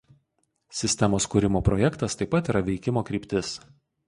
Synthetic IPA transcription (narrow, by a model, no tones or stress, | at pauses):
sʲɪsʲt̪ʲɛmoːskuːɾʲɪmoːpɾɔjɛkt̪ɐst̪ɐɪpːɐt̪iːɾɐʋʲɛɪkʲɪmoːkɾʲiːpʲt̪ʲɪs